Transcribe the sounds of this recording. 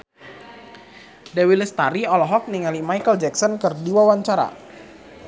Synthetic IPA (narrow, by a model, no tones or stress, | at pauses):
dɛwilɛst̪aɾiɔlɔɦɔk̚niŋalimajkəld͡ʒɛksɔnkərdiwawaɲt͡ʃaɾa̰